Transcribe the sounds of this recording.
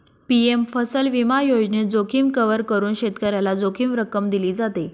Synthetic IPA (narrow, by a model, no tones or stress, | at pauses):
piemfəsəlʋimajod͡ʑned͡zokʰiːmkəʋəɾkəɾuːnɕet̪kəɾjalad͡zokʰiːmɾəkəmd̪iliːd͡zat̪e